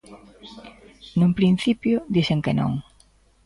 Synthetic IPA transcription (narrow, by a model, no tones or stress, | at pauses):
nũmpɾin̟θipjʊd̪iseŋkenõ̰ŋ